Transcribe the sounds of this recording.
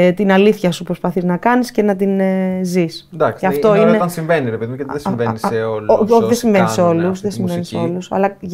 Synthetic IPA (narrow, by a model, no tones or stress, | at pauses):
t̪inɐliθçɐsupɾo̞spɐθiznɐkɐnisce̞nɐt̪̬inzisnd̪ɐksɐft̪o̞ineɐnsĩɱveniɾepeðimjɐt̪iðesveniseolot̪iðesiɱveniseo̞lusðesimveniseo̞lusɐ̰lɐ